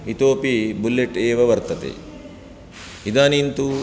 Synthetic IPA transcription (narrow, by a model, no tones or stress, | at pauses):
it̪oːpibulːeʈeːʋɐʋɐɾt̪ɐt̪ḛ | id̪aːnint̪u